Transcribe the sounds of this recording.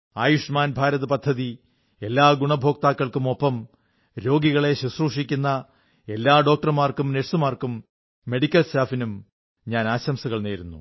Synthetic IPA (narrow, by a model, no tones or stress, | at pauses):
aːjuʂmaːnbʱaːɾɐðɐpɐd̪ʱːɐði | e̞lːaːɡuɳɐbʱo̞ːk̚t̪aːkːɐɭkumo̞pːɐm | ɾo̞ːɡiɣɐɭe̞ɕisruːʂikʲːunːɐ | e̞lːaːɖo̞ːk̚ʈɐrmaːrkumneʂsumaːrkumː | e̞ɽikʲːɐlstaːfinum | ɲaːnaːɕɐmsuɣɐɭneːɾunːṵ